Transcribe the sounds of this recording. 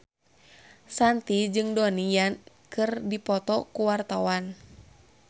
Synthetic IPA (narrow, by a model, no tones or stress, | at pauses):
sant̪id͡ʒɨŋdɔnijan | kɨrdipɔt̪ɔkuwart̪awan